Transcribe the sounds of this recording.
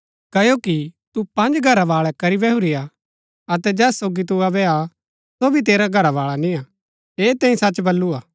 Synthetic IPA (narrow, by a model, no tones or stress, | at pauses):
kɐjokit̪upɐ̃nd͡ʒɡʱɐɾaʋaːɭɛkɐɾibɛɦʊɾia | ɐt̪ɛd͡ʒɛːsoːɡit̪̬uɐbɛa | sobʱit̪̬eːɾaɡʱɐɾaʋaːɭanĩa | eːt̪ɛ̃ːĩsɐt͡ʃbɐlːuaː